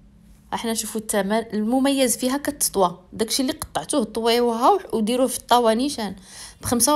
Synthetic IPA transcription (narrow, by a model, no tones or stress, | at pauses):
ʔaħnænʃufut̪ːæmænəlmʊmæjːəzfiɦækæt̪ːə̥t̪ˤwɑd̪ækʃilːiqɑ̥t̪ˤːɑʕt̪uht̪ˤːwiwɦæwħwd̪iɾuhfit̪ˤːɑwæninʃænb̥xəmsa